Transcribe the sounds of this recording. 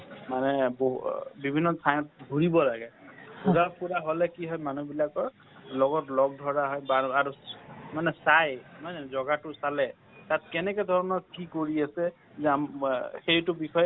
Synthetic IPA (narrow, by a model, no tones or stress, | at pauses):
manɛbobibʱinːɔtʰajɔt̚dʱuɹibɔlaɡɛpuɾapuɹaɦolɛkiɦɔjmanubilakɔɹ | lɔɡɔtlɔɡ̚dʱɔɹaɦɔjbaaɹumanɛsajmanɛzɔɡatʊsalɛ | tat̚kɛnɛkɔdʱɔɹɔnɔkʰikːoɹiasɛ | zɛamxejtʊbixɔj